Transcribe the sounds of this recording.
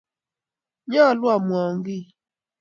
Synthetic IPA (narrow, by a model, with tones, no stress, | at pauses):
ɲɔ˦˨lʊ˦a˨m˨ɔ˨ŋ˦ɡɪ˦˨